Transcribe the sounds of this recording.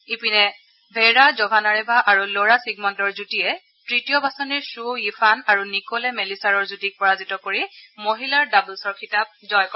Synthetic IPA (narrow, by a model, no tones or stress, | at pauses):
ipinɛ | bʱeɹazɔbʱanaɹɛbʱaʔaɹuloɹasiɡmɔntɔɹzutijɛ | tɹitijɔbasɔniɹsuifʰanaɹunikolɛmelisaɹɔɹzutik̚pɔɹazitɔkoɹimoɦilaɹdabulsɔɹkʰitap̚zɔjkɔ